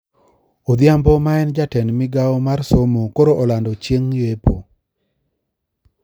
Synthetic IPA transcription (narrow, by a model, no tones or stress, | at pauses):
od̪ɪambɔmaɛnd͡ʒatɛnmɪɡaɔmarsomokoɾoʔɔlandɔt͡ʃjeŋjepo